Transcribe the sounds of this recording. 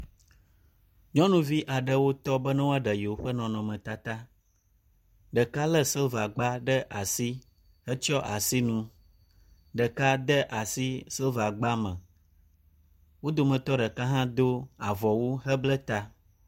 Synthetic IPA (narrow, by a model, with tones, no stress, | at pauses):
ɲɔ̃˦nũ˦vi˦ʔa˨ɖə˨wo˦t̪ɔ˦bə˦nã˦wo˦a˦ɖə˨jɛ˨wo˦ɸə˦nɔ̃˨nɔ̃˨mɛ̃˨t̪a˦t̪a˦ | ɖə˨ka˦lə˦sə˦lva˨ɡ͡ba˦ɖə˦ʔa˨si˦ | ɦə˦t͡ʃɔ˦ʔa˨si˦nũ˦ | ɖə˨ka˦d̪ə˦ʔa˨si˦sə˦lva˨ɡ͡ba˦mə̃˨ | wo˦d̪o˦mə̃˨t̪ɔ˦ɖə˨ka˦ɦã˦d̪o˦a˨vɔ˨wu˦ɦə˦blə˦t̪a˦